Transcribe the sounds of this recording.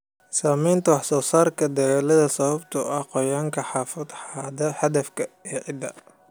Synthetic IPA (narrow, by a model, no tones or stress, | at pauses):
saːmɛjnt̪ʰɐwɑħsɔːsaːrkʰɐd̪ɐɣaːlɐðɐsɐβɐbt̪ʰʊɐqɔjaːŋkʰɐħɑːfɐd̪ħɑd̪ɐħɑd̪ɐfkʰɐiːʕɪd̪ɐ̰